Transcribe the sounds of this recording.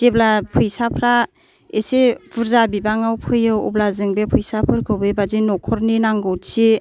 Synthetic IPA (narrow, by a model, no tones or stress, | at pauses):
d̥eblapʰɯjsapʰɾa | esebuɾzabibaŋawpʰɯjɯwṵblazɯŋbepʰɯjsapʰɯɾkʰɯwbebazinɔkʰɔɾninaŋɡɯwt͡ʃʰi